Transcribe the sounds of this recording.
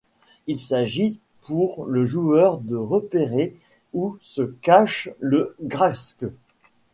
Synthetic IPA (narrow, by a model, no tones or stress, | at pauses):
ilsaʒi | puʁləʒuœʁd̪əʁəpeʁe | usəkaʃləɡʁask